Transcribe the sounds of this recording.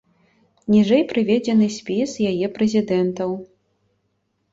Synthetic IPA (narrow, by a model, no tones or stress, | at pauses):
nʲiʐɛjpɾɨvʲɛd͡zʲɛnɨsʲpʲisjajɛpɾɛzʲid̪ɛnt̪ɐw